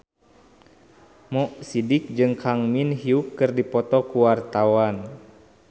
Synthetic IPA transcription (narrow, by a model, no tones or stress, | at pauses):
mɔʔsidik̚d͡ʒɨŋkʰaŋminɦiukːɨrdipɔt̪ɔkuwart̪awan